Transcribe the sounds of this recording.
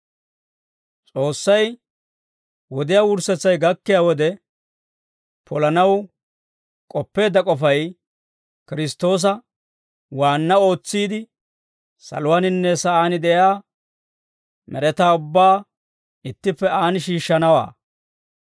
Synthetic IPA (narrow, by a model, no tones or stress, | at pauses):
t͡sʼo̞ːsːɐj | wɔd̪ɪjaːwʊɾsɛt͡sːɐjɡɐkːɪjaːwɔd̪ɛ | pʰɔlɐnɐw | kʼɔpːe̞ːd̪ːɐkʼɔfɐj | kɪɾɪst̪ːo̞ːs̬ɐ | waːnːɐo̞ːt͡sːiːd̪ɪ | sɐ̰lʊwanɪnːɛsɐaːnɪd̪ɛjaː | mɛɾɛt̪aːʊbːaː | ɪt̪ːɪpːɛaːnɪʃiːʃːɐnɐwa̰ː